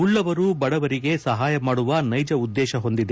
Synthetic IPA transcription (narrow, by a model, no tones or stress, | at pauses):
uɭːɐʋɐɾubɐɽɐʋɐɾiɡe̞sɐɦaːjɐmaːɽuʋɐnɐjd͡ʒɐud̪ːɛːʃɐɦo̞nd̪id̪e